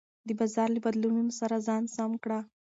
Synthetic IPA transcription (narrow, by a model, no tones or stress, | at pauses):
d̪əbazɑɾləbad̪lumimsaɾazɑnsamkɽa